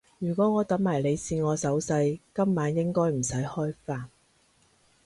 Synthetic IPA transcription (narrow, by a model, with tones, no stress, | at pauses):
jyː˨˩kʷɔː˨˥ŋɔː˨˧t̪ɐ˨˥mmaː˨˩jle˨˧jsiː˧ŋɔː˨˧sɐ˨˥wsɐ˧jkɐ˥mːaː˨˥njɪ˥ŋkɔː˥jm̩˨˩sɐ˨˥jhɔː˥jfaː˧n